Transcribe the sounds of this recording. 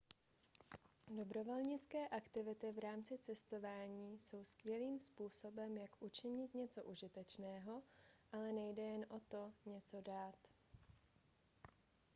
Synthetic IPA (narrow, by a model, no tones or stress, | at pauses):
do̞bɾo̞vo̞lɲɪt͡skɛːʔakt̪ɪvɪt̪ɪvɾaːmt͡sɪt͡sɛst̪o̞vaːɲiːso̞wskvjɛliːmspuːso̞bɛmjakʔut͡ʃɪɲɪt̪ɲɛt͡so̞ʔuʒɪt̪ɛt͡ʃnɛːɦo̞ʔalɛnɛjdɛjɛnʔo̞t̪o̞ɲɛt͡so̞daːt̪